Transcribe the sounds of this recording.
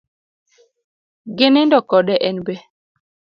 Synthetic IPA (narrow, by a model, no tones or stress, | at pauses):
ɡɪnɪndɔkɔdɛʔɛnbɛ